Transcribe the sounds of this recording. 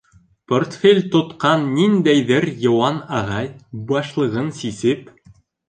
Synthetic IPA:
port̪fʲelʲt̪ŏt̪qɑnːind̪æjðɘɾjɤ̆wɑnɑʁɑjbɑʃlˠɤ̆ʁɤnsisɘp

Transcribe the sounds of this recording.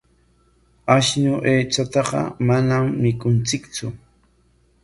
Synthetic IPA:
aʃnʊʔeːt͡ʃat̪ɑɢɑ̰manamːɪkʊnt͡sɪkt͡sʊ

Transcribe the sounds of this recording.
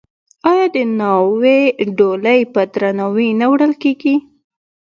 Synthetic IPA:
ɑjɑd̪ənɑweɖoləjpəd̪ɾanawinawɽəlkeɡi

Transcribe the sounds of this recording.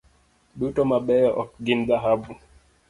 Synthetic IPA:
ɗutɔmaɓɛjɔʔɔkɡind̪aɦabu

